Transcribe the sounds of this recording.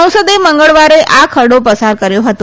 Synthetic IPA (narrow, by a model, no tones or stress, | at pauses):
ə̃w̃səd̪eməŋɡəɭʋaɾeʔakʰəɽopəsaɾkəɾjoɦət̪õ